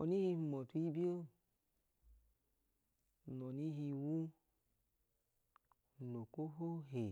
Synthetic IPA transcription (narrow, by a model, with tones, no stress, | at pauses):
ɔ̰˨ni˦hi˧˨mɔ˨tu˧i˦bi˦o˦ | nɔ˨ni˦ɦi˧wu˦˨ | no˨ko˦ɦo˦ɦe˨